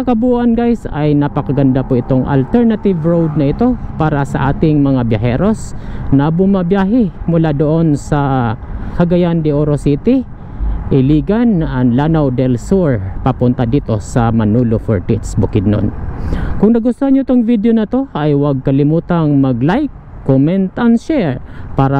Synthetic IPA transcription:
ɐkɐbuʔɐnɡajsɐ̰jnɐpɐkɐɡɐnd̪apʊʔɪt̪oŋʔɐ̰lt̪ɛɹnat̪ɪvɹowd̪̚nɐʔɪt̪o̞paːɾɐsɐʔa̰ːt̪ɪŋmɐŋabjɐɦɛːɾo̞snɐbʊmɐbjaːɦɛmʊlad̪oʔo̞nsɐ | hɐɡɐjand̪ɪʔoɾosiːt̪ɪ | ʔɪliːɡɐnɐŋlanɐwd̪ɛlsuɹpɐpʊnt̪ad̪iːt̪o̞sɐmɐnuːlofo̰ɹt̪it̪sbʊkɪd̪̚no̰nkʊŋnɐɡʊst̪ohaɲoɪt̪oŋvid̪ejonɐt̪o̞ʔɐjwɐɡ̚kɐlɪmuːt̪ɐŋmɐɡlajkː | omɛnt̪ʔɐnʃɛɹpaːɾa

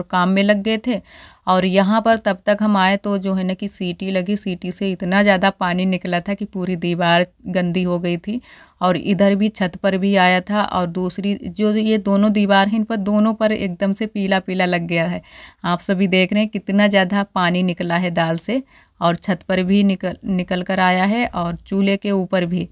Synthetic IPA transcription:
ɾkaːmːẽlɐɡːɐet̪ʰeɔːɾjɐɦãpɐɾt̪ɐb̚t̪ɐkɦɐmaːet̪od͡ʒoːɦɛnakisiːʈilɐɡisiːʈiseɪt̪nazjaːd̪apaːninɪklat̪ʰakipuːɾid̪iːʋaːɾɡɐ̃nd̪ʱiɦoɡɐit̪ʰi | ɔːɾɪ̰d̪əɾbʱit͡ʃʰɐt̪pɐɾbʱiaːjat̪ʰaʔɔ̰ːɾd̪uːsɾid͡ʒoːjed̪oːnõd̪iːʋaːɾɦɪnpɐɾd̪oːnõpɐɾḛːk̚d̪əmsepiːlapiːlalɐɡːɐjaɦɛːaːpsɐbʱid̪eːkʰɾɐɦɛ̃kiɪt̪nazjaːd̪ʱapaːninɪklaɦɛd̪aːlse | ɔːɾt͡ʃʰɐt̪pɐɾbʱinɪknɪkəlkəɾaːjaɦɛʔɔːɾt͡ʃuːlekeuːpəɾbʱiː

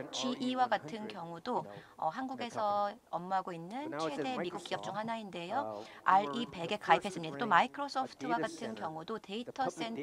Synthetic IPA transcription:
t͡ɕiʔiwaɡatʰɯnkjʌŋudoʌ̰ɦanɡuɡe̞sʰʌʌmːuɦaɡoinːɯnt͡ɕʰe̞de̞miɡuk͈̚iʌp̚t͡ɕ͈uŋɦanainde̞joaɭipe̞ɡe̞kaipʰe̞s͈ɯmɲidat͈omaikʰɯɾos͈ʰopʰɯ̥tʰɯwaɡatʰɯnkjʌŋudote̞itʰʌs͈e̞n

